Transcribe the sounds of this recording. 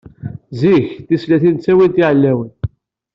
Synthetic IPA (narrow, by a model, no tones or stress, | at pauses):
ziçθislæθint͡sːæwint̪iʕlːæwən